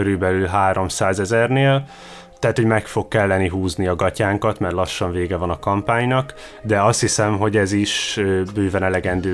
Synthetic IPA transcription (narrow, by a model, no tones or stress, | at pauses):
øɾybɛlylɦaːɾo̞msaːzɛzɛrneːl | t̪ɛɦaːt̪ho̞ɟmɛkfo̞kːɛlːɛniɦuːzniɒɡɒcaːŋkɒt̪mɛrlɒʃːɒɱveːɡɛvɒnɒkɒmpaːɲnɒk | d̪ɛɒst̪hisɛmɦo̞ɟɛziʃøbøːvɛnɛlɛɡɛnd̪øː